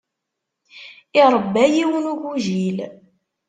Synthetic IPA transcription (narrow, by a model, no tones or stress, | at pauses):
ɪɾˤəbːæjiwənuʝuʒil